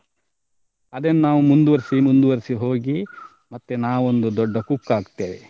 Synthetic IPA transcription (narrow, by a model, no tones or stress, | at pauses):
ɐd̪ɐnːunaːʋumund̪uʋɐɾisimund̪uʋɐɾisiɦo̞ːɡi | mɐt̪ːenaːʋuond̪ud̪ɔɖːɐkukːaːɡt̪ːeːʋe